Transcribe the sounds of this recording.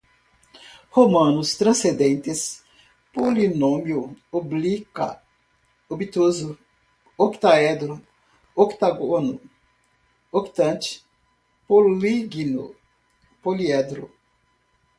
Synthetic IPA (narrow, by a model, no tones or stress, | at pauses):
homɐ̃nʊst̪ɾɐ̃sẽd̪ẽnt̪ɪs | polinõmjʊoblikɐ̰ | obit̪ozʊ | okt̪aɛd̪ɾʊ | okt̪aɡonʊ | okt̪ɐ̃nt͡ʃ̪ɪ̥ | poliɡinʊ̰ | poliɛd̪ɾʊ